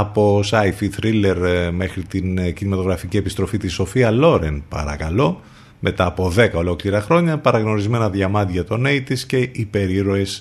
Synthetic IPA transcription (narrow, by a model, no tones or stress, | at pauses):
ɐpo̞sɐifit̪ɾile̞ɾme̞xɾit̪incinimɐt̪o̞ɣɾɐficie̞pist̪ɾo̞fit̪iso̞fiɐlo̞ɾe̞npɐ̰ɾɐkɐlo̞ | mʔe̞t̪ɐːpo̞ðe̞kɐo̞lo̞kliɾɐxɾo̞ɲɐpɐɾɐɣno̞ɾizme̞nɐðʝɐmɐt̪ʝɐt̪o̞ne̞it̪isce̞ʔipe̞ɾiɾo̞e̞s